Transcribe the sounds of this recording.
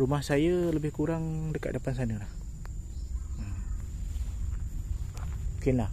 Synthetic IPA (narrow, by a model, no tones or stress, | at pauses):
ɾumahsajələbɪhkuɾaŋdəkat̪̚dəpans̬anəlah | əm | mukɪnlah